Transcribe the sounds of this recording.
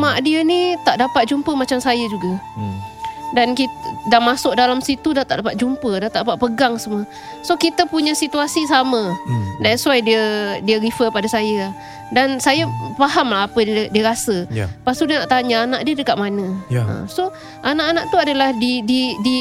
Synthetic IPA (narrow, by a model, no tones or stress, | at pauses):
maʔdiənit̪aʔdapat̪̚d͡ʒumpəmat͡ʃamsajad͡ʒuɡa | dankit̪damasʊʔ̚dalamsit̪udat̪a̰ʔdapat̪̚d͡ʒumpədat̪aʔpaʔ̪̚pəɡaŋsəmuə | sokit̪əpuɲasit̪uasisamədansuajdiədiəɾifəpadasaja | dansajapaɦamlaɦapədiəɾasəpast̪udiənaʔt̪aɲaanaʔdiədəkaʔ̪̚manə̃ə̰mso | ʔanaʔanaʔt̪uadalahdididi